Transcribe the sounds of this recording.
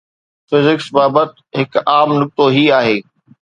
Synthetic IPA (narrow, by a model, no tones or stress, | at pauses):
fɪzɪksbaːbət̪ | ɦɪkaːmnʊk̚t̪oɦiaːɦeː